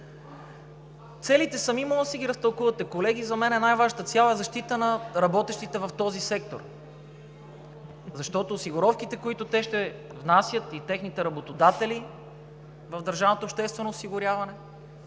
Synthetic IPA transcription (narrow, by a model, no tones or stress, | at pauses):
t̪sɛlit̪ɛsɐmimɔəsɛɡʲiɾɐst̪ɐlˠkuvɐt̪ɛkolɛɡ̟izɐmɛnɛnajvaʒət̪ət̪sʲjalˠɛzɐʃt̪it̪ənɐɾɐbɔt̪ɛʃt̪it̪ɛvɐft̪ɔzisɛk̚t̪o̰ɾ | zɐʃt̪ɔt̪oːsiɡʊɾɔfkit̪ɛkoit̪ʊt̪ɛʃt̪ɛvnasjət̪it̪ɛxnit̪ɛɾɐbot̪od̪at̪ɛli | vɐvd̪ɐɾʒavnot̪oːpʃt̪ɛst̪vɛnoːsiɡʊɾʲjavɐnɛ